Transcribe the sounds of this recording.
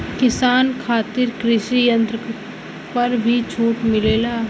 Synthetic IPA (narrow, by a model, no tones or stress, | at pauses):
kɪsaːnkʰaːt̪ɪɾkɾɪʃijə̃nt̪ɾə | pəɾbʱit͡ʃʰuːʈmɪleːlaː